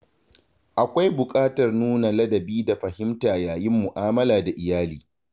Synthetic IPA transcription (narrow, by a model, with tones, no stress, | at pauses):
ʔa˨kʷa˦jbʊ˨kʼaː˦tɐ˨rnuː˦na˨lɐ˦dɐ˨biː˦da˨ɸɐ˨hɪ˦mtaː˨jaː˨jɪ˦mːʊ˨ʔaː˦mɐ˦laː˨da˨ʔɪ˨jaː˦liː˨